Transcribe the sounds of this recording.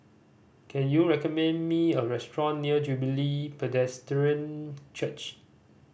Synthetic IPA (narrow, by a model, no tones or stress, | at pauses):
kʰɛ̃njuɹɛkɔmɛ̃nmiəɹɛstɹɔ̃nːiəd͡ʒubilipɛdɛstɹə̃nt͡ʃət͡ʃ